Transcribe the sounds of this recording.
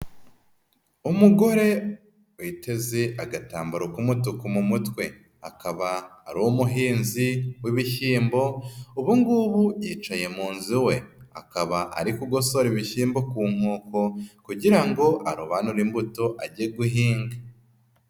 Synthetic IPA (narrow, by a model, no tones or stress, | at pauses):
umuɡo̞ɾe̞ | wite̞ze̞ʔaɡata̰ːmbaɾokumutukumumutwe̞ | a̰kaβaːɾowumuɦiːnziwiβiçiːmbo̞uβuŋɡuβujiːt͡ʃaje̞muːnziwe̞a̰kaβaʔa̰ɾikuɡo̞soɾiβiçiːmbo̞kuːm̥oːko̞kuɟiɾaŋɡo̞ʔaɾuβanuɾimbuto̞ʔa̰ɟieɡuɦiːŋɡa